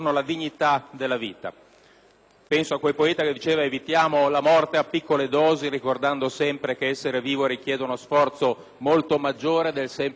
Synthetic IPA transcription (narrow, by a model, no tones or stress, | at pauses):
nolad̪iɲːit̪ad̪elːavḭːt̪a̰ | pɛnsoakːwelpoɛːt̪aked̪ːit͡ʃeːvaevit̪jaːmolamɔrt̪eapːikːoled̪ɔːzeɾikord̪and̪osɛmpɾekeɛsːeɾeviːvoɾikjɛːd̪eunosfɔrt̪so | molt̪omad͡ʒːoːɾed̪elsɛm